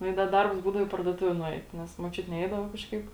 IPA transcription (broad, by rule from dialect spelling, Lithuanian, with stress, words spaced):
nʊ ɪ ˈdɐ ˈdɐrps ˈbuːdɐʋoː iː pɐrduɔˈtʊʋʲeː nʊˈɛɪt ˈnʲɛs muɔt͡ʃʲʊtʲɪ ˈnʲɛɪdɐʋɐ kɐʃˈkɐɪp